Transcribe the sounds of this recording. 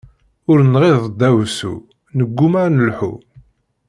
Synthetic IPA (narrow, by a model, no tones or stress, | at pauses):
ʊɾnʁeðˤd̪æwsṵ | nəɡʷːumaɾnəlħṵ